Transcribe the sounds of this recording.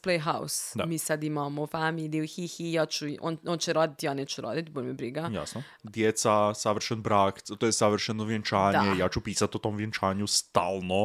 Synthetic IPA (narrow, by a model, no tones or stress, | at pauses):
plejɦawsd̪amiːsad̪imamofamiːliuxixijat͡ʃuʔo̰nont͡ʃɛɾoːd̪it̪janɛt͡ʃuɾo̰ːd̪it̪bolʲmɛbɾiɡaja̰sno | d̪jet̪sasaʋr̩ʃɛnbɾaːkt̪ojɛsaʋr̩ʃɛnoʋjent͡ʃaːd̪ɲejaːt͡ʃupiːsat̪ot̪omʋjent͡ʃaːɲust̪aːlˠno